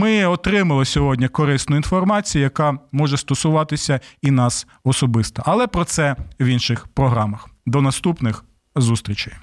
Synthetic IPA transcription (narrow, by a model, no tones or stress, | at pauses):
mɪɔt̪ɾɪmɐlˠɪsʲɔɦɔdʲnʲikɔɾɪsnʊinfɔrmɑt͡sʲijʊjɐkɑmɔʒɛst̪ɔsʊʋɑt̪ɪsʲɐinɑs | ɔsɔbɪst̪ɐʔɐlˠɛpɾɔt̪sɛʋʲinʃɪxpɾɔɦɾɑmɐxd̪ɔnɐst̪upnɪx | zust̪ɾʲit͡ʃɪj